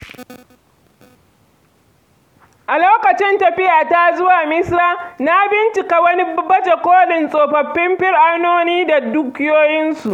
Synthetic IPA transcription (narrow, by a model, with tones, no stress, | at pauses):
ʔa˨loː˦kɐ˨t͡ʃɪ˦ntɐ˨ɸɪ˦jaː˨taː˦zʊ˦waː˨mɪ˦saː˦na˦bɪ˦nt͡ʃɪ˨ka˨wɐ˦ni˦bɐ˦t͡ʃe˨kʷoː˦lɪ˨nsʼoː˨ɸɐ˨ɸːɪ˦mɸɪ˦rʔa˦noː˦niː˦da˨du˦kʲɪ˦joː˦jɪ˦nsu˨ʔ